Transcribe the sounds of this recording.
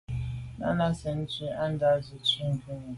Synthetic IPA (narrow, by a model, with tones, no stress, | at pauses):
na̰˦na˦se˨n̩˦t͡ʃi˦a˦n̩˦da˦zʊ˨t͡ʃi˦ŋ̩˨ku˦nʊ˨